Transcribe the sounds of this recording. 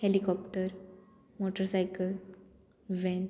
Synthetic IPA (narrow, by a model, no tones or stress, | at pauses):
helikɔpʈəɾ | moʈəɾsajkəl | ʋɛ̃n